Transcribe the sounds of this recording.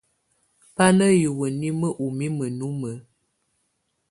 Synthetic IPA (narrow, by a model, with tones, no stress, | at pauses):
pa˦nə˦jə˨wə˨ni˦mə˦ʔu˨mi˦mə˨nu˨˦mə˨˦